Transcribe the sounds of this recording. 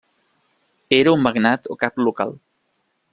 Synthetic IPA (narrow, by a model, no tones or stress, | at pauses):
eɾaummaɡnat̪okapluka̰l